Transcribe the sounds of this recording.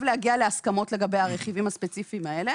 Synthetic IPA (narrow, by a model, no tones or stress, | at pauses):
vleaɡialeaskamo̞tle̞ɡabe̞jaʁeχivimhaspet͡sifiːmae̞le